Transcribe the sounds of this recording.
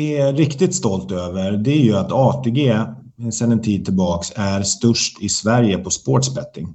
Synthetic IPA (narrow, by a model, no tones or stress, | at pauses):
ɪɾɪkt̪ɪt̪st̪ɔlt̪øːvəɾd̪ɛæɾjɵat̪ɑːt̪ʰeɡeː | ɛsɛnɛnt̪ʰiːd̪̚t̪ʰɪlbɑːksæɾst̪ɵʂʈɪsvæɾjəpʰɔspoːʈʂbɛt̪ːɪ̰ŋ